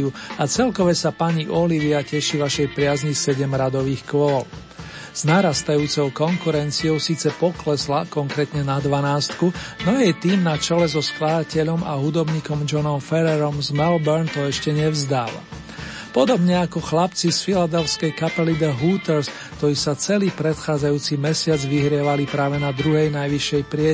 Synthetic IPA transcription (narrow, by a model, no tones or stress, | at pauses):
uat͡sɛlkɔʋɛsapaɲiʔɔliʋiacɛʃiʋaʃɛjpɾɪazɲisɛɟɛmɾad̪ɔʋiːxkʋɔl | z̥naɾast̪ajuːt͡sɔʊkɔŋkuɾɛnt͡siɔʊsiːt͡sɛpɔklɛslakɔŋkɾɛt̪ɲɛnad̪ʋanaːst̪kunɔjɛjt̪iːmnat͡ʃɛlɛzɔsklad̪acɛʎɔmaɦud̪ɔbɲiːkɔmd͡ʒɔnɔmfɛɾɛɾɔmzmɛlbɛɾnt̪ɔɛʃcɛɲɛvzd̪aːla̰ | pɔd̪ɔbɲɛakɔxlapt͡sisfilad̪ɛlskɛjkapɛlid̪ɛɦuːt̪ɛɾs | kt̪ɔɾiːsat͡sɛliːpɾɛt̪xaːd͡zajuːt͡simɛsɪad͡zʋiɦɾɪɛʋalipɾaːʋɛnad̪ɾuɦɛjnajʋiʃɛjpɾɪɛ